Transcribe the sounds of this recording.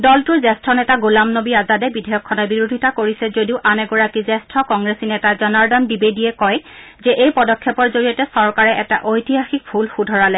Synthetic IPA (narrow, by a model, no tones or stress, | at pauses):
dɔltʊɹzɛstʰɹɔnɛtaɡolamnobiazadɛbidʱɛjɔkʰːɔnɔbiɹodʱitakoɹisɛzodiʊʔanɛɡɔɹakizɛstʰɹɔkɔŋɡɹesinɛtazɔnaɹdɔndibediɛkɔj | zɛʔejpɔdɔkʰːjɛpɔɹzoɹijɔtɛsɔɹkaɹɛʔɛta̰ʔojtiɦaxik̚pʰulxudʱɔɹalɛ